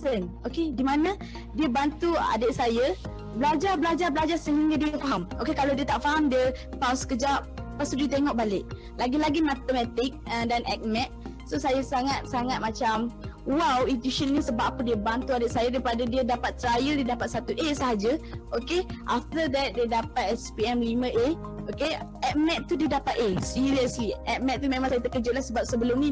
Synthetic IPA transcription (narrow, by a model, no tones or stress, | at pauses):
ən | okedimãnã | diəbant̪ua̰dəʔsajə | bəlad͡ʒabəlad͡ʒabəlad͡ʒarsəɦiŋɡadiəfaɦamokekalawdiət̪aʔfaɦamdiəpawsə̥kəd͡ʒap̚past̪udiət̪eŋɔʔ̚balɪʔ̚ | laɡilaɡimat̪əmɛt̪ɪk̚ədanʔɛk̚mɛ̃t̪̚ | sosajəsaŋat̪̚saŋat̪̚mat͡ʃam | wawit̪iʃənːisəbaʔpədiəbant̪uadəʔsajadaipadadiədapat̪̚ːɾajəldiədapat̪̚sat̪uʔesəɦad͡ʒəʔokeʔaft̪əd̪ɛt̪̚diədapat̪̚ɛspiɛmlimə̃ʔe | okeʔɛk̚mɛt̪t̪ːudiədapat̪̚esiɾiəsliʔɛk̚mɛ̃t̪t̪ːumẽmaŋsajaət̪əkəd͡ʒʊt̪lahsəbap̚səbəlʊmni